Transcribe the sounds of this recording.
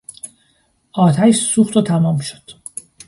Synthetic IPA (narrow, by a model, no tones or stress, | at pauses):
ʔɒːt̪ʰæʃsuxt̪ot̪ʰæmɒːmʃo̥d̪̥